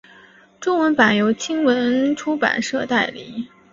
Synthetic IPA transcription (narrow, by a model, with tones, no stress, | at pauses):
ʈ͡ʂʊ˥ŋwə˧˥npa˨˩njo˧˥ʊt͡ɕʰi˥ŋwə˧˥nʈ͡ʂʰu˥pa̰˨˩nʂɤ˥˧t̪a˥˩ɪlḭ˨˩˦